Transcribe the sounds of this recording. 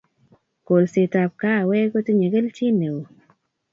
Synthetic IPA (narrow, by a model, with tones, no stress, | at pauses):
ko˨lse˨ta˨p̚ka˦˨wɛ˦ko˦ti˦ɲe˨ke˦lt͡ʃi˦ne˨wo˨